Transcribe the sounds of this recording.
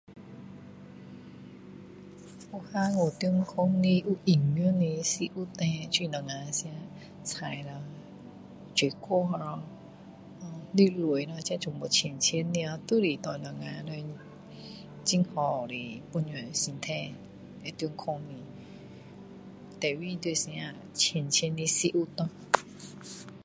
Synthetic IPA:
u˧ha˧ŋo˨˩t̪u˧ə˧ŋkʰɔ˧˦ŋni˧ʔu˧ʔi˨˩ŋːɯ˧˦˨ni˧si˧ʔu˧˦t̪ɛ̃˧t͡ɕi˧˨nɔ˨˩ŋã˧sja˧˥˦ | t͡sʰa˨jla˧˩ | t͡ɕi˨kʰo˧˦ɦɔ˧ɔ˧ | ɔ˧li˧˦lu˨˩ə˨jnɔ˧t͡ɕã˧˦t͡ɕu˨˧˨ŋbɔ˨˩t͡ɕʰe˨˩˨nt͡ɕʰe˧˦nːi˧a˧t̪u˦˨ɾi˨˩t̪ɔ˧˨nɔ˨˩ŋã˧˨lo˧ | t͡ɕi˧ŋhɔ˨˩ɾi˨˩pu˧nɲɔ˨si˧nt̪ʰɛ̃˧ | lɛ˨˧˨t̪u˧ŋkʰɔ˧ŋnĩ˧ | t̪ɛ˨˩wi˧d̪e˧˨st͡ɕʰe˧˨nt͡ɕʰe˧˦nːi˧si˧˦ʔu˧t̪ɔ̃˧

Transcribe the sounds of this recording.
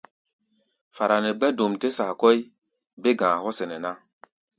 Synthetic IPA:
fa˨ɾa˨nɛ˨ɡ͡bɛ˦do˨mte˦sa˨kɔ˦i˦ | be˦ɡãː˨hɔ˦sɛ˨nɛ˨na˦

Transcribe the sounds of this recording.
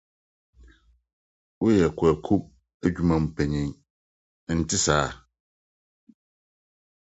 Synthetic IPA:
wo˦jɛ˨kʰɛ˨kʰo˦p̚ | æ˦d͡ʑᶣu˦mã˨m̩˨pʰɛ˨ɲĩ˨ŋ | n̩˨tʰɪ˦saː˨˦

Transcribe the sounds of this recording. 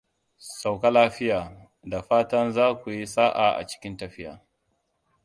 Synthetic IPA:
sa˨wka˦laː˦ɸɪ˦jaː˨ | da˨ɸaː˦tɐ˦nzaː˦kʷu˨ji˦saː˦ʔa˨ʔa̰˨t͡ʃɪ̥˦kʲɪ˦ntɐ˨ɸɪ˦ja̰ː˨

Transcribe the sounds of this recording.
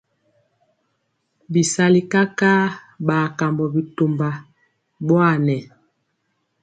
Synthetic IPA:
bi˨sa˦li˦ka˦ka˦ | ba˨ka˨mbɔ˨bi˨to˨mba˨ | bwa˦˨nɛ˨

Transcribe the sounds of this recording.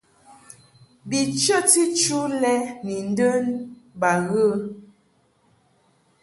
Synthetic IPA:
bi˨t͡ʃə˦ti˦t͡ʃu˦lɛ˦ni˨n˦də˦nba˨ɣə˦

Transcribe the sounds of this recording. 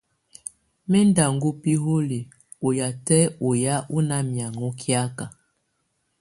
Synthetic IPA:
mɛ˦nda˨ŋɡo˦pi˦ɦo˦li˨ | o˨ja˨tɛ˦o˨ja˦ʔu˦na˦mja˨ŋo˦kʰja˦ka˨

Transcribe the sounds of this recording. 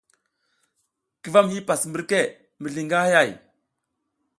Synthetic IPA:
ki˨va˦mhi˦pa˨smə˦ɾke˦˨ | mə˨ɮi˨ŋɡa˦ha˦ja˦˨j

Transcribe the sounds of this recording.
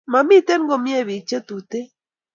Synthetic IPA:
ma˨mi˦te˦n˦ɡo˨mi˦e˦˨βi˨t͡ʃe˦tu˨te˦

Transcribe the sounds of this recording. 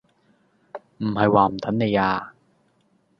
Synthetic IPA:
m̩˨˩hɐ˨jwaː˨m̩˨˩t̪ʰɐ˨˥nne˨˧jaː˧

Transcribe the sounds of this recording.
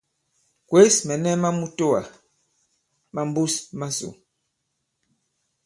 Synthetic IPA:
kwe˦smɛ˨nɛ˦ma˦mu˦to˦a˨ | ma˦m˦bu˦sma˦sṵ˨

